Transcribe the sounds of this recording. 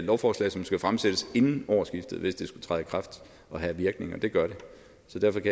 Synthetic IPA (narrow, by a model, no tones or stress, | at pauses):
lɒʊfɒːslɛ̰ɪsɒ̽msɡ̥æfʁamseɾ̥əse̝nn̩ɒʊ̰ɐsɡ̥ifd̥ð̩ˠʋe̝sd̥esɡ̥ut͡sʰʁɑð̩ˠkʰʁɑ̈fd̥ | ɒ̽ɦæʋiɐɡ̥ne̝ŋɐd̥e̝ɡ̥ɶɐɾe̝ | sɒ̽d̥æɐfɒ̽kʰæ